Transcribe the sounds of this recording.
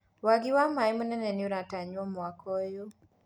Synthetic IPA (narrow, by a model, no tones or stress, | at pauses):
waɡɪwamaimonɛnɛnioɾataɲwɔmwakɔjo